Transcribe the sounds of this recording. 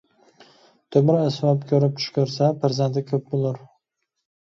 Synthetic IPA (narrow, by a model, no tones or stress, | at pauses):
t̪ʰɵmɪɾasvɒpkʲʰɵɾɪp̚t̪ʰʊ̥ʃkʲʰɵɾsapʰaɾzand̪ɪkʲʰɵp̚bolˠʊɾ